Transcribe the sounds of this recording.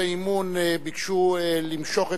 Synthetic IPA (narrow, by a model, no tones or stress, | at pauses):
aimunbikʃuelimʃo̞χe